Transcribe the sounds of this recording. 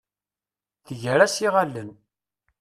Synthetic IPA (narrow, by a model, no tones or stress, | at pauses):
θəʝəɾæsiʁalːən